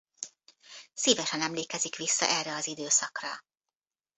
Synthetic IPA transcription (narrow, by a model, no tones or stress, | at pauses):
siːvɛʃɛnɛmleːkɛzikʋisːɒ̰ʔɛrːɛɒzid̪øːsɒkrɒ